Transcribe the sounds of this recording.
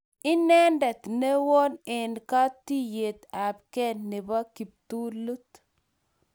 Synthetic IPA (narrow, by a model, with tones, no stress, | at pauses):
ɪ˦nɛ˦ndɛ˨t̪ne˦wɔ˦nɛ˨nka˦t̪i˦je˨t̪a˨b̚kɛ˦nːe˨ba˦ki˨p̚t̪u˦lu˦t̪